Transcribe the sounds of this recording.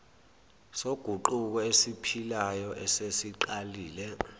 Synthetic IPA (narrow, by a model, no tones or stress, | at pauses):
soɡ̥ʱuǃuk̬ɔesipʰilajɔʔɛsesiǃaliːlɛ